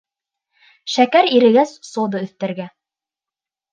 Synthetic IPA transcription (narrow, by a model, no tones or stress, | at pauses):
ʃækæɾiɾɘ̆ɡæssŏwðɤɵ̆θt̪æɾɡæ